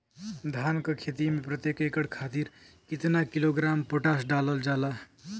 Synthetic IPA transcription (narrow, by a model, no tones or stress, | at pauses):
d̪ʱaːnkəkʰet̪imepɾət̪jekekəɽkʰaːt̪iɾ | kit̪nakiloɡɾampoʈasɖaləld͡ʒala